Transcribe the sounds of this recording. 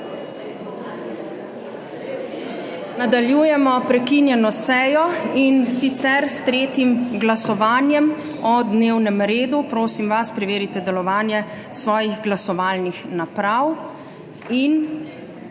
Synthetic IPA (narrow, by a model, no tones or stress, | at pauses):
nad̪aljuːjɛmɔpɾɛkinjɛnɔsɛːjɔinsit̪sɛɾst̪ɾeːt̪imɡlasɔʋaːnjɛm | ɔd̪neːwnɛmɾeːd̪upɾoːsimʋaspɾɛʋeːɾit̪ɛd̪ɛlɔʋaːnjɛ | sʋɔːjiɣɡlasɔʋaːlnixnapɾaw | in